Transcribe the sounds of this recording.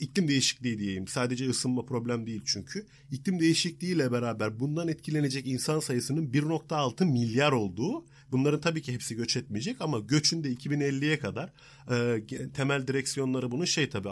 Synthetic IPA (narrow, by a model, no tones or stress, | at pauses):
iclʲimd̪e̞jiʃi̥clʲiːid̪ije̞jʲimsaːd̪e̞d͡ʒɛɯsɯlˠmapʰɾo̞blʲæmd̪ejilʲt͡ʃʰyɲcʰy | iclʲimd̪e̞jiʃiclʲiiːlʲɛbe̞ɾaːbæɾbund̪anɛt̪̚cʰilʲe̞ne̞d͡ʒɛcinsansajɯsɯnɯnbiɾno̞k̚t̪ʰaːlˠt̪ʰɯmilʲjaɾo̞lˠd̪uː | bunlˠaɾɯnt̪ʰabiːcʰiɦɛpsiɟø̞t͡ʃʰɛt̪̚mijed͡ʒɛcamaɟø̞t͡ʃʰynd̪ɛicʰibinɛlʲːijɛkʰad̪aɾ̥ | ɯːt̪ʰe̞mælʲd̪iɾɛcsijo̞nlˠaɾɯbunuʃejt̪ʰabiː